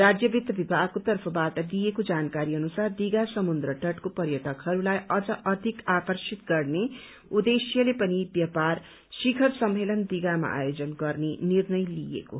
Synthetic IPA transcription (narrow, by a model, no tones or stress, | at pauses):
rad͡zjʌbit̪ːʌbibʱakot̪ʌrpʰʌbaʈʌd̪ijekod͡zankaɾiʌnusard̪iɡasʌmund̪ɾʌʈʌʈkopʌrjʌʈʌkɦʌɾulajʌd͡zʌʔʌd̪ʱikakʌrsit̪ɡʌrne | ud̪esjʌlepʌnibjʌpar | sikʰʌrsʌmːelʌnd̪iɡama̰ʔa̰jod͡zʌnɡʌrnenirnʌjlijḛko̰